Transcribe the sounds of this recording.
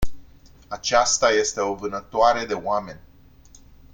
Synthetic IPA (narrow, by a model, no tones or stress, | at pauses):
at͡ʃast̪aje̞st̪e̞o̞vɨnət̪oaɾe̞d̪e̞oame̞nʲ